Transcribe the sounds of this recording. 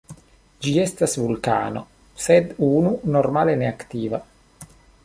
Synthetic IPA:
d͡ʒiest̪asvulka̰ːno | sed̪uːnunormaːleneakt̪iːva

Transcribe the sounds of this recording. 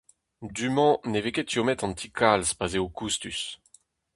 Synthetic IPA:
d̪ymɑ̃neveket̪jomɛt̪ɑ̃nt̪ʰikʰalzpazeokust̪ys

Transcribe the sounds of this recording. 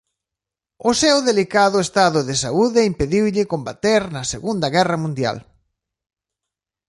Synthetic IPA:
ʊsewðelikaðʊest̪aðʊðɪsauðɪimpeðiwʎɪkombat̪eɾnɐseɣund̪ɐɣɛrɐmũnd̪ja̰l

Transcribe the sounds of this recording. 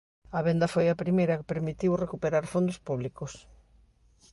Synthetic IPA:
ɐβɛnd̪ɐfojɐpɾimejɾɐkɪ̥peɾmit̪iwrekupeɾaɾfond̪ospuβlikos

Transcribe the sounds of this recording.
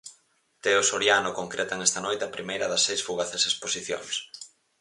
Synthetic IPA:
t̪eosoɾjanʊkoŋkɾet̪aŋɛst̪ɐnojt̪eɐpɾimejɾɐðɐsːejsfuɣaθesesposiθjo̰ŋs

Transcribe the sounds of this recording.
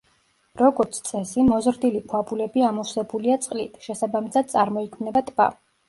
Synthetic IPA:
ɾɔɡɔɾt̪sʰt̪sʼɛsimɔzɾd̪ilikʰwabulɛbiamɔsɛbuliat̪sʼqʼlit̪ʰʃɛsabamisad̪̥̚sʼaɾmɔikʰmnɛbat̪ʼba̰

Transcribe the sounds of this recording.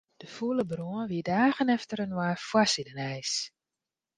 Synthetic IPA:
d̥əfuələbruənʋiədaːɣənɛftəɾənwaːrfwasidənɛjs

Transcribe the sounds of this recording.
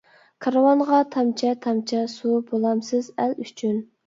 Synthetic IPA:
kʰɑɾwɑnʁɑt̪ʰɑmt͡ʃʰɛt̪ʰɑmt͡ʃʰɛsubolˠɑmsɨzælyt͡ʃʰyn

